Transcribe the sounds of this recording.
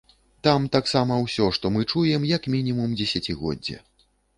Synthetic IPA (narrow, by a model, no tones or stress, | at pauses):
t̪amt̪aksamɐwsʲɔʂt̪ɔmɨt͡ʂujɛmjɐkmʲinʲimumd͡zʲɛsʲat͡sʲiɣɔ̰dd͡zʲːɐ̰